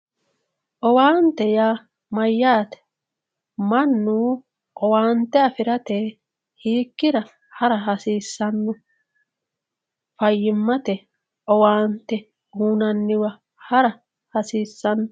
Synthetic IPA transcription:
ʔɔwaːnt̪ɛjaː | mɐjːaːt̪ɛ̥ | mɐnːuː | ʔɔwaːnt̪ɛɐfɪɾɐt̪e | hiːkːɪɾɐ | hɐɾɐɦɐsiːsːɐnːʊ | fɐjːɪmːɐt̪ɛ | ʔɔwaːnt̪ɛ | huːnɐnːɪwɐ | hɐɾɐ | hɐsiːsːɐnː

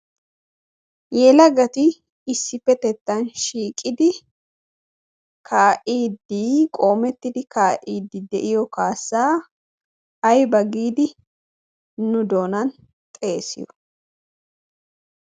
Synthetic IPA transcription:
jɛːlɐɡɐt̪ɪː | sːɪpːɛt̪ɛt̪ːɐnʃiːkʼɪd̪ɪ | kʰaːʔiːd̪ːiːkʼo̞ːmɛt̪ːɪd̪ɪkaːʔiːd̪ːɪd̪ɛʔɪjɔkaːsːaː | ɐjbɐɡiːd̪ɪ | nʊd̪o̞ːnɐn | t̪ʼe̞ːsɪ̰jɔ

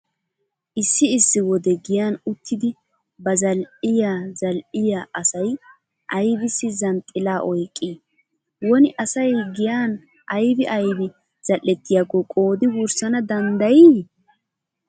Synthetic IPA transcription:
ʔɪsːɪɪsːɪwɔd̪ɛɡɪjaːnʊt̪ʰːɪd̪ɪ | bɐzɐlʔɪjaːzɐlʔɪjaːʔɐsɐj | ʔɐjbɪsːɪzɐnt̪ʼːɪlaːʔɔjkʼːiː | wɔnɪʔɐsɐjɡɪjaːn | ʔɐjbɪʔɐjbɪ | z̥ɐlʔːɛt̪ːɪjaːɡɔkʼoːd̪ɪwʊɾsɐnɐd̪ɐnd̪ɐjɪ

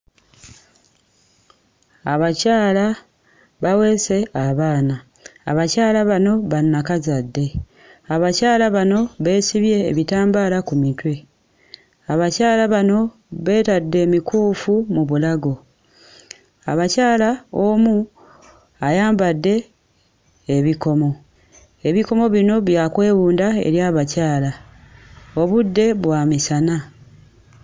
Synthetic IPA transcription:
aβacaːla | βawe̞ːse̞aβaːna̰ː | βacaːlaβano̞βanːakazadːe̞ | aβacaːlaβano̞βe̞ːsiβje̞̰ːβitaːmbaːlakumitwe̞ | aβacaːlaβano̞ | βe̞ːtadːe̞ːmikuːfumuβulaɡo̞ | a̰βacaːlaomu | ajaːmbadːe̞ | βiko̞mo̞ | e̞βiko̞mo̞βino̞βjaːkwe̞ːβuːndae̞̰ɾjaːβacaːla | o̞βudːe̞βwaːmisana

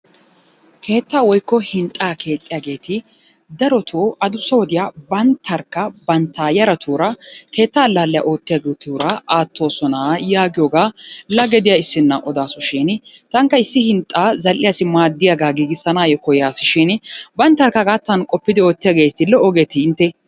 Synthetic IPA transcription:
kʰe̞ːt̪ːaːwɔjkːɔhɪnt̪ʼːaːkʰe̞ːt̪ʼːɪjaːɡe̞ːt̪ɪ | d̪ɐɾɔt̪ʰoːʔɐd̪ʊsːɐwɔd̪ɪjaːbɐnt̪ʰːɐɾkːɐbɐnt̪ʰːaːjɐɾɐt̪ʰuːɾɐkʰe̞ːt̪ːaːlːaːlːɛja̰ʔo̞ːt̪ːɪjaːɡet̪uːɾɐʔaːt̪ːo̞ːsɔnaːjaːɡɪjoːɡaːlɐɡɛd̪ɪjaɪsːɪnːɐʔɔd̪aːsʊʃɛnt̪ɐŋkːɐɪsːɪhɪnt̪ʼːaːzɐlʔɪjasɪmaːd̪ːɪjaɡaːɡiːɡɪsːɐnaːjɔkɔjaːsɪʃɛnbɐnt̪ːɐɾkːɐɡaːt̪ːɐnkʼɔpːɪd̪ɪo̞ːt̪ːɪjaːɡe̞ːɪt̪ɪlːɛɔɡet̪ɪɪnt̪ːɛ

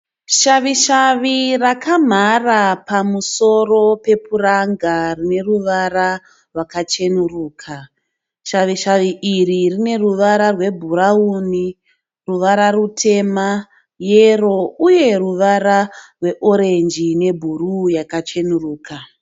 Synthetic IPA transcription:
ʃaʋiʃaʋirakam̤arapamuso̞ro̞pe̞puɾaŋɡarine̞ruʋara | rwakat͡ʃe̞nuruːkʰa | ʃaʋiʃaʋiʔiririne̞ruʋaɾarwe̞bʱuɾauːni | ruʋaɾarutʰe̞ma | jero̞uje̞ruʋaɾarwe̞ʔoɾe̞nd͡ʒine̞bʱurujakat͡ʃe̞nuruːka

